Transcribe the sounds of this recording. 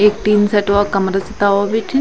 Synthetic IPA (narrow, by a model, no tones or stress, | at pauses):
ek̚ʈ̪iːnsɛʈʋakəmɾəsɪt̪aːʋaʋɪt͡ʃ